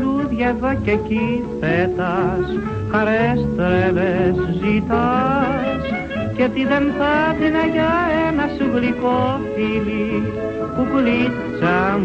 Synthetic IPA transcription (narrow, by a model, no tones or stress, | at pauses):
ɾuðʝevɐcecifet̪ɐs | kɐɾest̪ɾevezzit̪ɐ | s | cet̪iðenθɐt̪inɐʝɐenɐsuɣlikofili | pupulit̪ | t͡sɐm